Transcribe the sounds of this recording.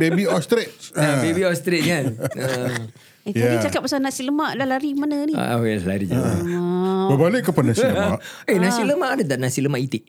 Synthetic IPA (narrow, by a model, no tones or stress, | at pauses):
bebiɔst̪ɾet̪̚abebiɔst̪ɾet̪̚kanə | ijabit͡ʃakat̚pːasanasiləmaʔlalaɾimanənḭa̰wasla̰ɾid͡ʒa̰ | bəbalɪʔkːəpanasiləaʔ | enãsiləmaʔadat̪aʔnasiləmaʔit̪ɪʔ